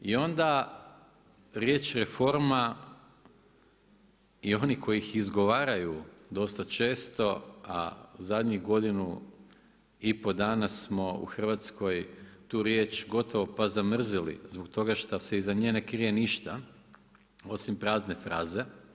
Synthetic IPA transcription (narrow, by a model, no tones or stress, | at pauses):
io̞nd̪a | ɾjeːt͡ʃɾe̞fo̞ɾma | io̞niko̞jixizɡo̞ʋaːɾajud̪o̞st̪at͡ʃe̞ːst̪o̞a̰zad̪ɲiɣɡo̞d̪inu | ipo̞d̪aːnasmo̞ṵxr̩ʋat̪sko̞jt̪uːɾjet͡ʃɡo̞t̪o̞ʋo̞pazamr̩zilḭzbokt̪o̞ɡaʃt̪ase̞izaɲeːnekɾijeniʃt̪a | o̞simpɾaːzne̞fɾaːze̞